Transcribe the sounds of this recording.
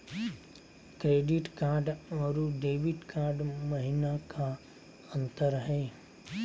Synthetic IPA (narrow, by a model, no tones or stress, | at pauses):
kɾeːɖɪʈkaːɾɖʋɐɾuɖeːʋɪʈkaːɾɖmɐɦɪnakʰa | ə̃nt̪əɾɦɛː